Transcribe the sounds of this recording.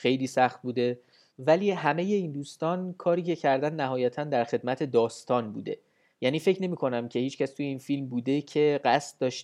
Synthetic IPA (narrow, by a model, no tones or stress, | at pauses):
xe̞jliːsæxt̪̚buːd̪e̞ | væliːɦæme̞je̞ind̪uːst̪ɒːnkʰɒːɾiːcʰe̞cʰæɾd̪ænːæɦɒːjæt̪ʰænd̪æɾxe̞d̪mæt̪ʰe̞d̪ɒːst̪ʰɒːnbṵːd̪e̞̰ | jæːniːfe̞cʰne̞miːkʰo̞næmcʰe̞hiːt͡ʃcʰæst̪ʰujeinfilmbuːd̪e̞cʰe̞ɢæst̪̚d̪ɒːʃt